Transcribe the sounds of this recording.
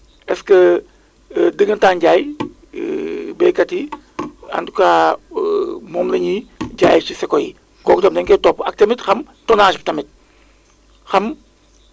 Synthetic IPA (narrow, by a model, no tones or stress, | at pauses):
ɛskə | dəɡəntaːnɟaːj | bɛkati | a̰nduka | mɔmlɐɲiɟaːjt͡ʃisɛkoji | ɡɔk̚tɔmdɛŋkɛtɔpɐk̚tɐmitxɐm | tɔnaːʃptɐmit̚ | xɐm